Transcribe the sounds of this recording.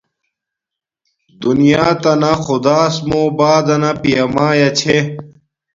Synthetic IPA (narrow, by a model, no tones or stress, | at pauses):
d̪unijaːt̪ɐnaxʊd̪aːsmoːbaːd̪ɐnapijɐmaːjɐt͡ɕʰe